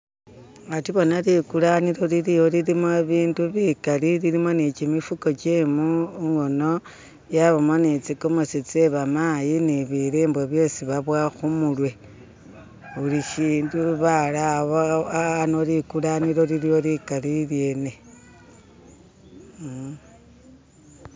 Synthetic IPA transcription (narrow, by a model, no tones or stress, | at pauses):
atiβo̞nalikulaniɾo̞lilijo̞lilimoeβiːnduβikaliliɾimo̞nit͡ʃimifuko̞t͡ʃemuŋɡo̞no̞ | jaβomonit͡sikomot͡sit͡seβamajiniβiɾeːmbweβjo̞ːsiβaβwaxumulwe̞ | uliʃiːnduβalaβoaanolikulaniɾo̞lilijo̞likalilje̞ne̞